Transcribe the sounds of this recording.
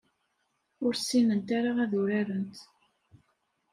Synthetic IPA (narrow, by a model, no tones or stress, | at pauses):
ʊɾsːinənt̪aɾaʁæðʊɾaɾənt̪